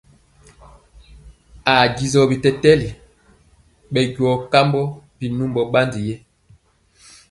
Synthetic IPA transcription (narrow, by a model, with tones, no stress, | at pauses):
a˨ɡi˨zɔ˨bi˨tɛ˦tɛ˦li˨ | ɓɛ˨ɟwɔ˨ka˦mbɔ˦b̥i˨nu˦mbɔ˨ɓa˦ndi˨jɛ˦